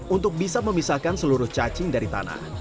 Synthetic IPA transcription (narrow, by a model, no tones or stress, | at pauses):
unt̪ʊk̚bisaməmisakansəluɾʊht͡ʃat͡ʃɪŋdaɾit̪a̰na̰h